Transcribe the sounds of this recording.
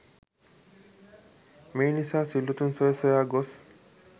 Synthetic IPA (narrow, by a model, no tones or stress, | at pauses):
meːnisaːsilːut̪unsɔjesɔjaːɡos